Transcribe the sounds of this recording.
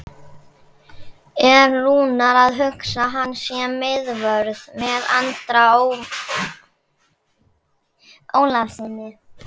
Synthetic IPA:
ɛɾnuːnaɾaðɦʏksaɦanːsjɛmɪðvœɾðmɛða̰nt̪ɾa | oːwlasɪnːɪ

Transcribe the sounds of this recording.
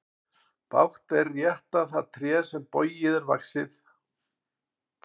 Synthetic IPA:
pa̰wht̪ɛrːjɛht̪aθaðt̪ʰɾjɛːsɛmpɔːɥjɪðɛɾva̰ksɪθ

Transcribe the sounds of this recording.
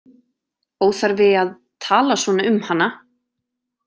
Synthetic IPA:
oːwθaɾvɪað | t̪ʰaːlasvɔnaʏmhanːa

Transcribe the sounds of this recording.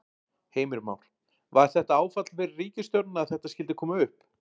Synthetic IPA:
heːjmɪɾma̰wɾ̥ | vaɛɾ̥θɛht̪aaːwfat̪l̥fɪɾɪɾriːcɪst̪jɔwɾt̪naaðθɛht̪askcɪlt̪ɪkʰɔːmaʏhp

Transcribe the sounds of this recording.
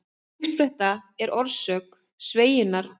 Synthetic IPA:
ɪr̥t̪fɾɛht̪aɛɾʔɔɾsœːk | sveːjɪnːaɾ̥

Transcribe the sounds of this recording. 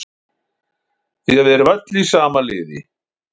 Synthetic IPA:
iavɛɾvat̪lisaːmalɪ̰ːðɪ̰

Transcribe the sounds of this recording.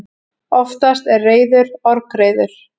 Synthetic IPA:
ɔft̪ast̪ɛrːeːjðʏɾɔɾkɾeːjðʏɾ̥

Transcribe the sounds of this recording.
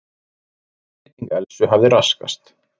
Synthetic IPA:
t̪iŋkɛlsʏɦavðɪɾaska̰st̪

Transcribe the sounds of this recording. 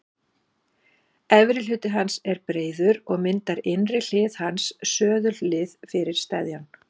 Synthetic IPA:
ɛvɾɪl̥ʏːt̪ɪɦansɛɾpɾeːjðʏɾɔɣmɪnt̪aɾɪnrɪl̥ɪːðhansːœːðʏllɪːðfɪɾɪɾ̥st̪ajðjan

